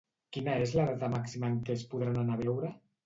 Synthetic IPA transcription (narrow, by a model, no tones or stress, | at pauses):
kinaezlaret̪amaksimaeŋkespuðɾananaβ̞ɛwɾe